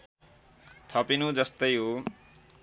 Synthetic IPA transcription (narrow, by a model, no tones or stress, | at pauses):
t̪ʰʌpinud͡zʌst̪ʌjɦo